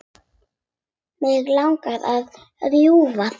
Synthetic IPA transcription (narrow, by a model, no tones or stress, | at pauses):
mɛɣlawŋkaðað | ɾjuvað